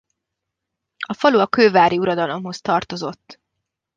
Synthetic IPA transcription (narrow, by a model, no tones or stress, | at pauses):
ɒfɒluɒkøːvaːɾiuɾɒd̪ɒlo̞mɦo̞st̪ɒrt̪o̞zo̞t̪ː